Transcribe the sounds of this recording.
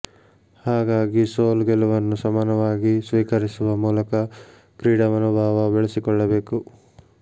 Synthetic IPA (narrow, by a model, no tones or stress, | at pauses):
haːɡaːɡisoːlɡeluʋɐnːusɐmaːnɐʋaːɡisʋiːkɐɾisuʋɐmuːlɐkɐ | kɾiːɽɐmɐnubʱaːʋɐbeɭesikɔɭːɐbe̞ːku